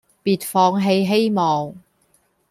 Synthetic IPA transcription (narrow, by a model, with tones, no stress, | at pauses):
piː˨˩t̚fɔː˧ŋɦe˧jɦe˥jmɔː˨˩ŋ